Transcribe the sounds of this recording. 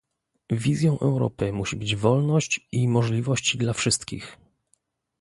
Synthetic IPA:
vʲizʲjɔ̃w̃ʔɛ̰wɾɔ̰pɘmuɕibɘd͡ʑvɔlnɔɕt͡ɕimɔʐlʲivɔɕt͡ɕd̪lafʂɘst̪kʲḭx

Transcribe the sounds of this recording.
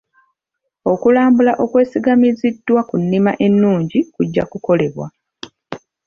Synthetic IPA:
o̞kulaːmbulaʔo̞kwe̞ːsiɡamizidwakunːimaʔe̞nːuːɲɟikuɟːa̰kuko̞le̞βwa̰

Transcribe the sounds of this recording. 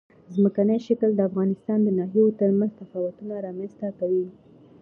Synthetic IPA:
zməkanəjʃakəld̪əafɣɑnɪst̪ɑnd̪ənɑɦijot̪əɾmanzt̪afɑwat̪unaɾɑmanzt̪akawi

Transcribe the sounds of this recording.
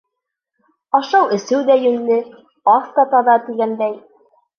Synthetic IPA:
ɑʃɑwɘ̆sɘwd̪æjɵ̆nːɘ | ɑθt̪ɑt̪ɑðɑt̪iɡænd̪æj

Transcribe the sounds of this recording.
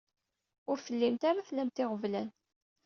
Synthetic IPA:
ʊɾfəlːimt̪aɾaθlæmt̪ɪʁəvlæn

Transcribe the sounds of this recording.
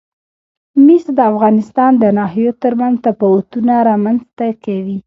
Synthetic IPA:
misd̪əafɣɑnɪst̪ɑnd̪ənɑɦijot̪əɾmanzt̪apawat̪unaɾɑmanzt̪akawi

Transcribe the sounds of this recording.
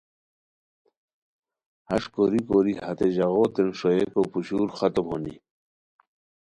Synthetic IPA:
hɐʂkoɾikoɾihɐt̪eʑaɣot̪enʂoekopuɕuːɾxat̪omhonḭ

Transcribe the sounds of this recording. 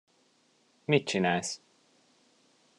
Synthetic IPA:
mit̪̚t͡ʃinæːls

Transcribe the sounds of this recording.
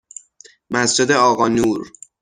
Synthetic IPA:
mæsd͡ʒe̞d̪eɒːɣɒːnuːɾ

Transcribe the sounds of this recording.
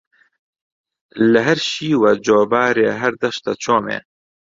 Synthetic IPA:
lɨɦɐɾʃiːwad͡ʒoːbaːɾeːɦɐɾd̪ɐʃt̪ɐt͡ʃʰoːmḛː

